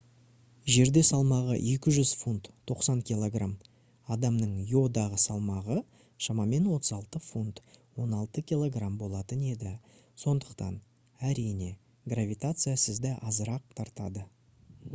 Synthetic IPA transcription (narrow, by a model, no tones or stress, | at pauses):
ʒe̞ɾd̪e̞sɑlˠmɑʁə̰ʔe̞kʲɪʒʏz̥funt̪tʰːo̞qsɑnkʲilˠo̞ɡram | ɑd̪ɑmnəɴjo̞d̪ɑʁəsɑlˠmɑʁə | ʃɑmɑme̞nwo̞t̪əzɑlˠt̪əfunt̪wo̞nɑlˠt̪əkʲilˠo̞ɡrambo̞lˠɑt̪əne̞d̪ɪ | so̞nd̪əqt̪ɑ̰n | æɾijne̞ | ɡravʲit̪at̪sɨjasəzd̪ɪʔɑzəɾɑq̚t̪ʰɑɾt̪ɑd̪ə